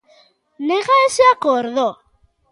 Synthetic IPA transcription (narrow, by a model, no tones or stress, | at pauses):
neɣaeseakoɾðo